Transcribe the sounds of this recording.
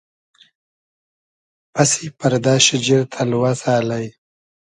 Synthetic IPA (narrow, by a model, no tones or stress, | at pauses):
pasipaɾd̪ɑːʃɪd͡ʒiɾt̪ʰalwazɑːlaj